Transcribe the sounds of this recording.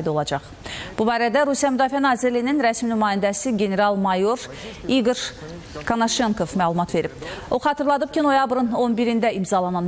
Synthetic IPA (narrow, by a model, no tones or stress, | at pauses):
d̪o̞lˠɑd͡ʒɑχ | b̥ubɑːɾæd̪æɾusijɑmyd̪ɑːfiænɑːziɾlijininɾæsminymɑːjind̪æsiɡe̞ne̞ɾɑlˠmɑjo̞ɾ | iɡoɾ | kʰanoʃeŋkʰo̞vmælˠumɑt̪ve̞ɾibo̞χɑt̪ɯɾlˠɑd̪ɯp̚cʰino̞jɑbɾɯno̞nbiɾind̪æimzɑlˠɑnɑn